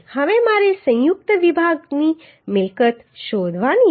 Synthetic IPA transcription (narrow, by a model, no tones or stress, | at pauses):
həʋemaɾesə̃j̃juk̚t̪əʋibʱaɡni | mɪlkət̪ | ʃod̪ʱʋani